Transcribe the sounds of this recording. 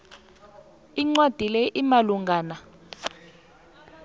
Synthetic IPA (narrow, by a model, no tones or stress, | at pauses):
iŋ͡ǀwad̥ʱilɛʔimaluŋɡʱaːna